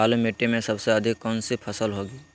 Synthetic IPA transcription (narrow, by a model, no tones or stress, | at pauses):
aːlumeʈːemẽsəbseəd̪ʱɪkːɔnsipʰəsəlɦoɡiː